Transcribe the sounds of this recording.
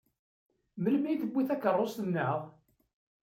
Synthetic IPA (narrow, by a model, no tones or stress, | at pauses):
mələmiθəbːiθækərˤːost̪nːəʕʁ